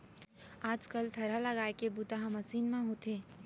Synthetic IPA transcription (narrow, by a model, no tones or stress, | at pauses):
aːd͡ʒkəlt̪ʰɐɾaləɡaːekebʊt̪aɦamɐsiːnmãɦoːt̪eː